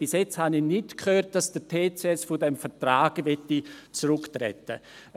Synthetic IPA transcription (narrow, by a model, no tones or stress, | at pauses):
b̥ɪsjɛt͡shaninɪtkʰhøːɾt̚d̥ɑsd̥ətʰeːt͡seɛsfʊdɛmfətraːɡ̥əvɛtːit͡sɾʊktrɛ̰tə̰